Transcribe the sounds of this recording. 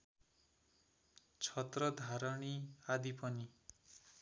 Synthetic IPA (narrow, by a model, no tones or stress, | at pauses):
t͡sʰʌt̪rʌd̪ʱaɾʌɳiad̪ipʌni